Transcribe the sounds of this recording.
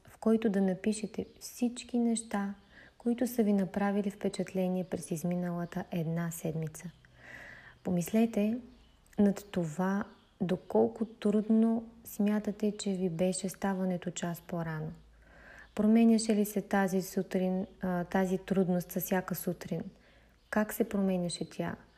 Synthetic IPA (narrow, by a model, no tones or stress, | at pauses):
fkɔjt̪ʊd̪ɐnɐpiʃɛt̪ɛfsit͡ʃkinɛʃt̪a | koit̪ʊsəvinɐpɾavilifpɛt͡ʃɐt̪lɛniɛpɾɛsizminəlˠət̪əʔɛd̪nasɛd̪mit̪sə | pomislɛt̪ɛ | nɐova | d̪okɔlˠkʊt̪ɾud̪nosmʲjat̪ət̪ɛt͡ʃɛvibɛʃɛst̪avɐnɛt̪ot͡ʃaspoɾano | pɾomɛnʲɐʃɛlisɛt̪azisut̪ɾint̪azit̪ɾud̪nost̪sɐfsʲjakəsut̪ɾin | kaksɛpɾomɛnʲɐʃɛt̪ʰʲa̰